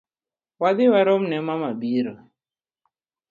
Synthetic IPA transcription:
waðiwaɾɔmnɛmamabiɾɔ

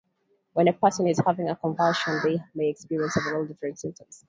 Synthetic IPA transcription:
wɛ̃nəpʰɜsə̃nɪz̥havɪ̃ŋəkʰɔ̃ɱvʌlˠʃə̃nðemeɪɛkspiɹiə̃nsəvəlolˠdɪfɹə̃tsɪ̃ntə̃ms

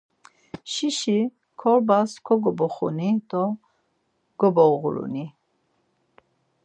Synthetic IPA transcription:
ʃiʃi | kʰɔɾbaskʰɔɡɔbɔχṵnid̪ɔ | ɡ̥ɔbɔɣuɾṵni

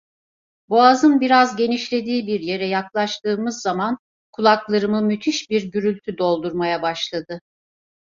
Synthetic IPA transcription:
boazɯnbiɾazɟe̞niʃlʲe̞d̪iːbiɾje̞ɾɛjaklˠaʃt̪ɯːmɯzːaman | kʰulˠaklˠaɾɯmɯmyt̪ʰiʃbiɾɟyɾylʲt̪ʰyd̪o̞lˠd̪uɾmajabaʃlˠad̪ɯ

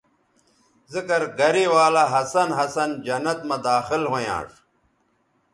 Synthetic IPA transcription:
zikɐɾɡɐɾiwaːlaɦɐsɐnɦɐsɐnd͡ʑɐnɐt̪mɐd̪aːxilɦojã̰ːʂ

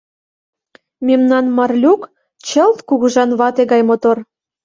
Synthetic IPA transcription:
memnɑnmɑrlʲuk | t͡ɕə̆lt̪kuɣuʒɑnβɑt̪eɣɑjmot̪or

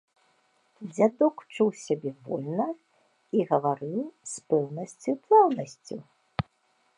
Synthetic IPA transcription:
d͡zʲad̪ɔkt͡ʂuwsʲabʲɛvɔ̰lʲnɐ | iɣɐvaɾɨwspɛwnɐsʲt͡sʲup̪lˠawnɐsʲt͡sʲu

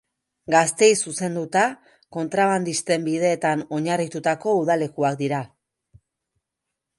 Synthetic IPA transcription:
ɡast̪e̞jsuse̞nd̪ut̪a | ko̞nt̪ɾaβand̪ist̪e̞mbið̞e̞ːt̪ano̞ɲarit̪ut̪ako̞uðale̞kuakd̪iɾa

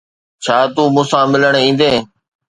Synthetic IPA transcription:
t͡ɕʰaːt̪uːmũːsãːmɪləɳ̃ĩːn̆d̪eː

